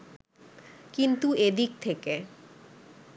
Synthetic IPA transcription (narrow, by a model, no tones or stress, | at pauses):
kint̪ued̪ik̚t̪ʰeke